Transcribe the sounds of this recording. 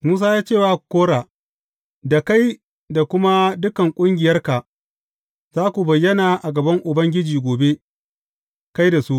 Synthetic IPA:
muː˦s̬aː˦jaː˦t͡ʃeː˦˨waː˦˨koː˦ɽaː˨ | da˨ka˦j | da˨kʷʊ˦ma˦dʊ˦kɐ˨ŋkʷʼʊ˦ŋɡʲɪ˨jɐ˦rka˨ | z̥aː˦kʷu˨bɐ˨jːɐ˦naː˨ʔa˨ɡɐ˨bɐ˦ŋʔʊ˨bɐ˦ŋɡʲɪ˦d͡ʒiː˨ɡʷoː˨be˦ | ka˦jda˨su˦ʔ

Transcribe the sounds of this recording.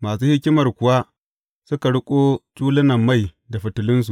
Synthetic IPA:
maː˨suː˦hɪ˦kʲɪ˦mɐ˨rkʷʊ˨wa˦ | sʊ˦ka˨ɽʊ˦kʷʼoː˦t͡ʃʼuː˦lɪ˦nɐ˨mːa˦˨j | da˨ɸɪ˨tʊ˨lɪ˦ns̬u˨ʔ

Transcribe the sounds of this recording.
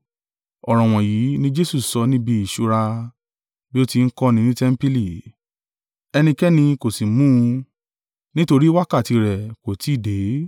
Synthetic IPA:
ɔ˨ɾ̃ɔ̃˨w̃ɔ̃˨ji˨˦nĩ˦d͡ʒe˦su˦˨sɔ˧nĩ˦bi˧i˨ʃu˨˦ɾa˧ | bi˦o˦ti˧n̩˦kɔ˦nĩ˧nĩ˦tɛ˦m̩˦pi˦li˦˨ | ɛ˧nĩ˧kɛ˦nĩ˧ko˨si˨mũ˦˧ | nĩ˦to˧ɾi˦wa˦ka˦˨ti˧ɾɛ˨ko˨ti˨˦˨de˨˦

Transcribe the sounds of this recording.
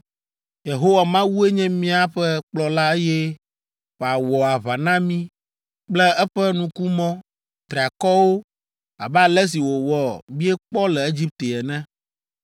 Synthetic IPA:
je˨ɦo˦wa˨mã˦wu˦e˦ɲɛ̃˦mĩ˦a˦ɸɛ˦k͡plɔ˨la˦e˦jɛ˦ | ɸɛ˨a˨wɔ˨a˨βa˨nã˦mĩ˦ | k͡plɛ˦ɛ˦ɸɛ˦nũ˨ku˦mɔ̃˦ | t̪ɾe˨a˨kɔ˦wo˦ | a̰˨bɛ˦a˨lɛ˦s̬i˨wo˨wɔ˨bĩ˦e˦k͡pɔ˦lɛ˨e˦d͡ʑi˦p̚t̪e˨ɛ˨nɛ̃˦

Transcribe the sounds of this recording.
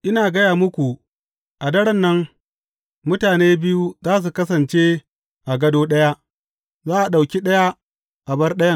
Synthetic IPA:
ʔɪ˦naː˨ɡɐ˦jaː˨mʊ˦kʷu˨ | ʔa˨dɐ˦ɽɐ˦nːɐ˦ŋ | mʊ˦taː˨neː˦bɪ˦ju˦zaː˦s̬u˨kɐ˦sɐ˨nt͡ʃe˦ | ʔa˨ɡɐ˦doː˦ɗɐ˦ja˦ʔ | zaː˦ʔa˨ɗa˨wkʲi˦ɗɐ˦ja˦ | ʔa˨bɐ˦rɗɐ˦jɐ˦ŋ

